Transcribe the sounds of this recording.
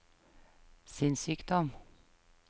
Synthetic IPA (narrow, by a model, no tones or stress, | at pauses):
sɪnsyːkd̪ɔm